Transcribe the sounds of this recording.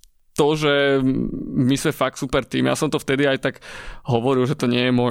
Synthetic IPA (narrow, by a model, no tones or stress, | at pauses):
t̪ɔʒɛ | mismɛfak̚t̪supɛɾt̪iːmja̰sɔmt̪ɔft̪ɛd̪iajt̪aɡɦɔʋɔɾilʒɛt̪ɔɲɪɛjɛmɔ